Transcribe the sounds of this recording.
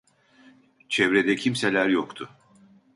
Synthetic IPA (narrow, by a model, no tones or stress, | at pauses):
t͡ʃʰɛvɾed̪ɛcʰimselʲæɾjokt̪ʰʊ